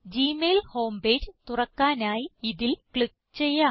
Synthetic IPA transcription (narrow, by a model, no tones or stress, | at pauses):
d͡ʑiːmeːlho̞ːmbe̞ːd͡ʑt̪urɐkːaːnaːjiiðilkɭik̚ | t͡ɕejːaː